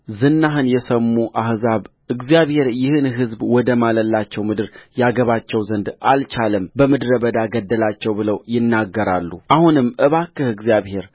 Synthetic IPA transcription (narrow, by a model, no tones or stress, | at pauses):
zɨnːaɦɨnjɛsəmːuʔahzaβ | ʔɨɡzijaβhe̞ɾjɪhɨnɦɨzbwɔd̪əmaləlːat͡ʃːɛwmɨd̪ɨɾjaɡəβat͡ʃːɛwzənd̪alt͡ʃʰaləmbəmɨd̪ɨɾəbəd̪aɡəd̪ːəlat͡ʃːɛwbɨləwjɪnːaɡːəɾalːuʔahunɨmːʔɨβakːɨhɨɡzijaβhe̞ɾ